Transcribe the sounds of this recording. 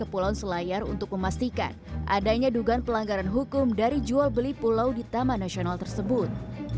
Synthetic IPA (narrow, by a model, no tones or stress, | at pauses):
kəpulawnsəlajarṵnt̪ʊk̚məmast̪ika̰nʔa̰daɲaduɡanpəlaŋɡaɾanɦukʊmdaɾid͡ʒualbəlipulawdit̪amanasionalt̪ərsəbʊt̪̚